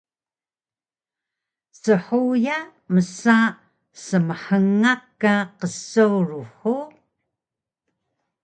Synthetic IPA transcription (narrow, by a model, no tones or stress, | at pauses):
səħujaməsa | səməħəŋːakːaqəsːauɻuħo